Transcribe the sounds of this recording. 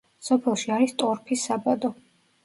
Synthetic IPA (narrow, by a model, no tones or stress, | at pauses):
sɔpʰɛlˠʃiaɾist̪ʼɔɾpʰisabad̪ɔ